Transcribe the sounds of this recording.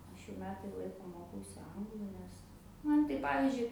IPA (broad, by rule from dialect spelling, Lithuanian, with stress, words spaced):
ˈɐʃ jɛʊ ˈmʲæːtɐɪ ˈlˠɐɪkoː ˈmoːkɐʊsʲɪ ˈɐŋɡlˠʊ ˈnʲɛs ˈmɐn tɐɪ ˈpɑːʋʲɪzʲd͡ʒʲʊɪ